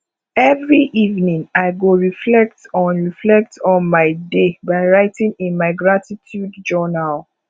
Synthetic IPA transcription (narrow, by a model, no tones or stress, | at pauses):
ɛvɹiʔivnĩŋaɪɡoɹiflɛk̚tɔ̃nɹiflɛk̚tɔ̃nmaɪdebaɪɹaɪtĩŋĩnmaɪɡɹatitʰjudd͡ʒɔnal